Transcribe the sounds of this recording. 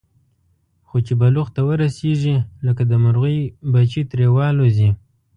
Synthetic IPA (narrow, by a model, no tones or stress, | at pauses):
xot͡ʃebaluxt̪awəɾaseʐiləkad̪əmaɾɣujbat͡ʃit̪ɾewɑlozi